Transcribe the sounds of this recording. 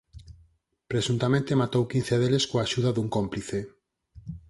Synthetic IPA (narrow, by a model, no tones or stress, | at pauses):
pɾesunt̪amẽnt̪emat̪owkin̟θeðeleskoaʃuðaðuŋkompliθe